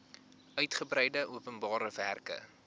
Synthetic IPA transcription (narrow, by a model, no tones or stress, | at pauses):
œɥtχəbrɛjdəʔuəpənbɑːɾəværkə̰